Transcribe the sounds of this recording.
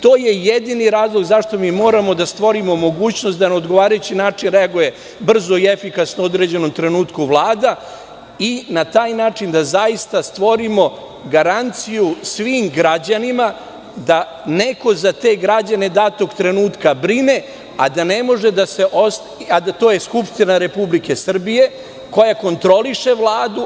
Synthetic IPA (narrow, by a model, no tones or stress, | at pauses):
t̪o̞ːjejed̪iniɾaːzlˠoɡzaʃt̪o̞miːmo̞ːɾamo̞d̪ast̪ʋo̞ɾimo̞mo̞ɡuːt͡ɕnost̪d̪aneod̪ɡo̞ʋaːɾajut͡ɕinaːt͡ʂinɾeaɡuje | br̩zo̞ie̞fikasnood̪ɾe̞d͡ʑe̞no̞mt̪ɾe̞nuːt̪kuʋlˠaːd̪a | inat̪aːjnaːt͡ʂind̪azajist̪ast̪ʋo̞ɾimo̞ | ɡaɾant̪sijusʋiːmɡɾad͡ʑanima | d̪a | ne̞ko̞zat̪e̞ɡɾad͡ʑane̞d̪aːt̪o̞ɡt̪ɾe̞nuːt̪kabɾine̞ | a̰d̪ane̞mo̞ʒe̞d̪ase̞ʔos | ad̪at̪o̞ːje̞skupʂt̪inaɾe̞publike̞sr̩bije̞ | ko̞jako̞nt̪ɾo̞liʂe̞ʋlˠaːd̪u